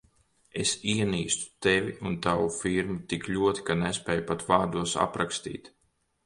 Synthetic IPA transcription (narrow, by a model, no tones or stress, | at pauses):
esiɛniːst̪u̥t̪evʲiʔunt̪awufiɾmut̪iklʲuɔt̪i̥kanɛspʲɛːjupat̪vaːɾd̪uɔsa̰pɾakst̪ḭːt̪